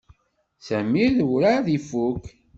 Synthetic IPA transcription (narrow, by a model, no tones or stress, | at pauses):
sæmiðwɾaðifuk